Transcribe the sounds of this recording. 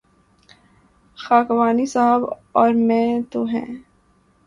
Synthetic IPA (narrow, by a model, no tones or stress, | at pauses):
xaːkʋaːnisaɦəbɔːɾmɛ̃ːt̪oɦɛ̰̃ː